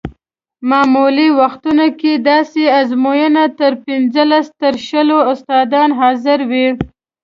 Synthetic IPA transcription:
mɑmuliwaxt̪unoked̪ɑseazmojənat̪əɾpinzəlast̪əɾʃəloʊst̪ɑd̪ɑnɦɑzɪɾwi

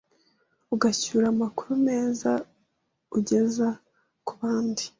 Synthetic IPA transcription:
uɡaçuːɾamaku̥ɾume̞ːza | uɟe̞za | kuβaːndi̥

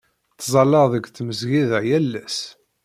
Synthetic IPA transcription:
θzˤɑlːəʁðəɡθməzʝiðəjælːæs

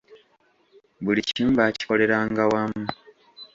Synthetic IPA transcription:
βuliciːmbaːci̥ko̞le̞ɾaːŋɡawamu

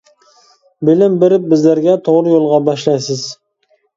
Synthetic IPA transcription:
bɪlɪmbɪɾɪp̚bɪzlæɾɡʲɛt̪ʰoʁɾɪjolˠʁɑbɑʃlɑjsɪz

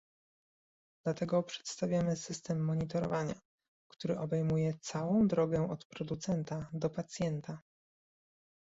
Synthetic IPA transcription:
d̪̥lat̪ɛɡɔpʂɛ̥t̪st̪avʲjamɘsɘst̪ɛmːɔɲit̪ɔɾɔ̰vaɲa̰ | kt̪uɾɘʔɔbɛjmujɛt̪sawɔ̃w̃d̪ɾɔɡɛɔt̪pɾɔd̪ut̪sɛnt̪ad̪ɔpat̪sʲjɛnt̪a

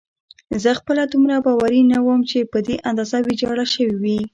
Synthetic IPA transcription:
zəxpəlad̪umɾabɑwaɾinawəmt͡ʃepəd̪eʔand̪ɑzawid͡ʒɑɽaʃəwiwi

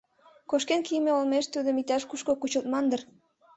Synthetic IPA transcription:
koʃkenkijmeolmeʃt̪ud̪ə̆mit̪æʃkuʃkokut͡ɕə̆lt̪mɑnd̪ə̆r

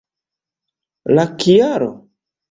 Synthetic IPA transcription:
lakijaɾo̰

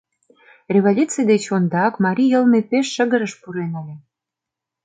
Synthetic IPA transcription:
rʲeβolʲut͡sijd̪et͡ɕond̪ɑkmɑɾʲijəlmepeʃːə̆ɣə̆ɾə̆ʃpuɾenɑlʲĕ

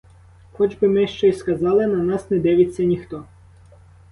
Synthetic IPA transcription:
xɔd͡ʒbɪmɪʃt͡ʃɛiskɐzɑlˠɪnɐnasnɛd̪ɛʋɪt͡sʲːɐnʲixt̪ɔ

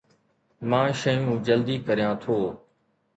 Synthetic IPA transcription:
mãːʃəjũːd͡ʒəld̪iːkəɾjãːt̪ʰoː

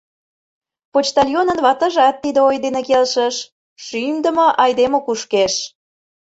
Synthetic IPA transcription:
pot͡ɕt̪ɑlʲjonənβɑt̪ə̆ʒɑt̪ːid̪əojd̪enekelʃə̆ʃ | ʃymd̪ə̆moʔɑjd̪emokuʃkeʃ

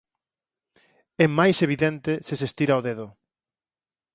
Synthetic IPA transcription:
ɛmajseβ̞iðɛnt̪esesest̪iɾaoðeðʊ

